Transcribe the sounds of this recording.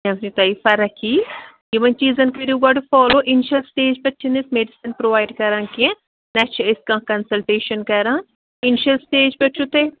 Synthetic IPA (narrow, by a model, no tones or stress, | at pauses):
ɐmnit̪ɐːifɐɾɐkʰiː | jiʋɐnt͡ʃiːzɐnkɐɾijuɡaːʈufɔːloːʔɪnʃɐlsʈeːd͡ʒpɐt͡ʃʰinesmeɖisinpɾoːʋaːjɖkɐɾãːkiẽ | nɐt͡ʃʰɐɪskãːkɐnsɐlʈeːʃɐnkɐɾãː | ɪnʃɐlsʈeːd͡ʒpɐt͡ʃʰut̪e